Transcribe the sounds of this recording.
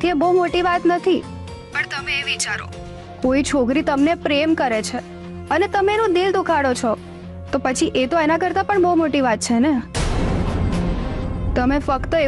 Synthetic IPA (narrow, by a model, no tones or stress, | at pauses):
t̪ʰieboumoʈiʋat̪nət̪ʰi | pəɳt̪əmeːʋit͡ʃaɾo̰ | koit͡ʃʰokɾit̪əmnepɾemkəɾet͡ʃʰe | ənet̪əmenũd̪ild̪ukʰaɽot͡ʃʰɔ | t̪opət͡ʃʰiʔet̪oenakəɾt̪apəɳboumoʈiʋat̪̚t͡ʃʰene | t̪əmefəkt̪əe